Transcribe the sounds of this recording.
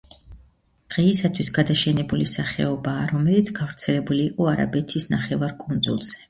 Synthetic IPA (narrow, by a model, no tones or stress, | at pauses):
d̪̥ʁɛisat̪ʰwisɡad̪aʃɛnɛbulisaχɛ̰ɔbaːɾɔmɛlit̪sʰɡ̥avɾt̪sʰɛlɛbuliːqʼɔaɾa̰bɛt̪ʰisnaχɛvaɾkʼund̪zṵlˠz̥ɛ̥